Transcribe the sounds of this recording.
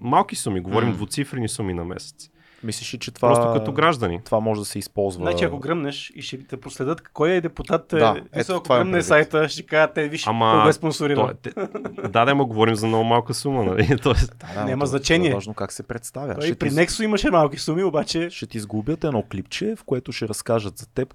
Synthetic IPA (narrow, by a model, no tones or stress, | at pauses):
malˠkisumiɡovɔɾimd̪vot̪sifɾɛnisuminɐmɛ̰sɛ̥t̪s | mislʲɛʃit͡ʃɛt̪vɾaɔst̪okɐoɡɾaʒd̪ənḭt̪vamɔʒɛd̪ɐsɛispɔlˠzvəat͡ʃiɐkoɡɾəmnɛʃiʃɛt̪ɐpɾoslɛd̪ɤt̪kːɔjɛd̪ɛput̪at̪ːɛisˠɐk̪vaɾəmnɛsajt̪əʃt̪ɛkaʒət̪ːɛviʃamɐoɛsponsʊɾiɾɐt̪ɛd̪ad̪ɛmoɡovɔɾimzɐmnɔʊmalˠkəsumənɐlit̪ɔɛst̪d̪anɛmɐznɐt͡ʃɛniɛvaʒnokaksɛpɾɛt̪st̪avʲjə̰ʃiɛtpɾinɛkst̪oimɐʃɛmalˠki̥sumiobat͡ʃɛʃɛt̪iːzɡubjət̪ɛnɔklipt͡ʃɛfkoɛt̪ʊʃɛɾɐskaʒət̪zɐt̪ɛp